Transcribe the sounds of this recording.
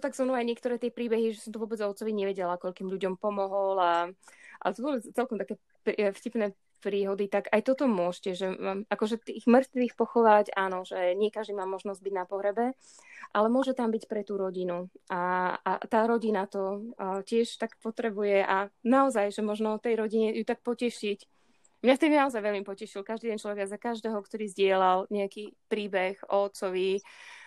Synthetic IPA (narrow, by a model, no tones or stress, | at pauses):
ɔt̪aɡzmnuajɲɪɛkt̪ɔɾɛːt̪ɪɛpɾiːbɛɦiʒɛsɔmt̪ɔʋʊɔːbɛd͡zɔt̪t͡sɔʋiɲɛʋɛɟɛlakɔʎkiːmʎuɟɔmpɔmɔɦɔlaʔa̰zʋɔbɛt͡st͡sɛlkɔmt̪akɛː | pfcipnɛ | pɾiːɦɔd̪it̪aɡajt̪ɔt̪ɔmʊɔʃcɛʒɛʔakɔʒɛt̪iɣmr̩t̪ʋiːxpɔxɔʋaɟaːnɔʒ̥ɛɲɪɛkaʒd̪imaːmɔʒnɔzɟ̚biɟnapɔɦɾɛbɛ | ʔalɛmʊɔʒɛt̪ambicpɾɛt̪uːɾɔɟinuʔaat̪aːɾɔɟinat̪ɔcɪɛʃt̪akpɔt̪ɾɛbujɛʔanaɔzajʒɛmɔʒnɔɔt̪ɛjɾɔɟiɲɛjut̪ak̚pɔcɛʃic | mɲaft̪ɛbinaɔzajʋɛʎmipɔcɛʃilkaʒd̪id̪ɛnt͡ʃlɔʋɛɡajzakaʒd̪ɛːɦɔkt̪ɔɾiːzɟɪɛlalɲɛakipɾiːbɛxɔːt͡sɔʋi